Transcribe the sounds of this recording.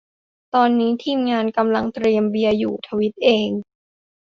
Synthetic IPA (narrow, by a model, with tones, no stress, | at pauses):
t̪ɔː˧nːiː˦˥t̪ʰiː˧mŋaː˧nka˧mla˧ŋt̪ɾi˧əmbi˧əjuː˨˩t̪ʰa˧wi˦˥t̪̚ʔeː˧ŋ